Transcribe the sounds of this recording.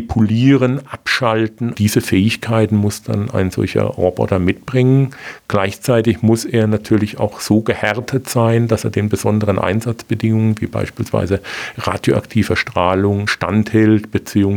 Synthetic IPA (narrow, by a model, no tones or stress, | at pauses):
pʰuliːʁənʔapʃaltn̩d̥iːzəfɛːɪçkʰaɪtn̩mʊsd̥a̰na̰ɪnz̥ɔ̰lçɐ̰ʁobɔ̰tɐmɪt̚b̥ʁɪŋənɡ̥laɪçt͡saɪtɪçmʊseːɐnatʰyːɐlɪça̰ʊxz̥oːɡəhɛʁtʰətz̥aɪndaseːɐdeːnbəzɔndəʁənʔa̰ɪnzat͡sb̥ədɪŋʊŋənviːba̰ɪʃpiːlsv̥a̰ɪzəʁa̰ːdjo̰ʔa̰ktʰiːvəʃtʁ̥aːlʊŋʃta̰nthɛltb̥ət͡siːʊŋ